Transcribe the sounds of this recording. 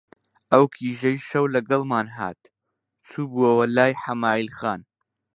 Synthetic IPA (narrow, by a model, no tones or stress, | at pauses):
ʔɐwkʰiːʒɐjʃɐwlɐɡɐlˠmaːnɦa̰ːt̪̚ | t͡sʰuːbuɐwɐlaːjħamaːilxaːn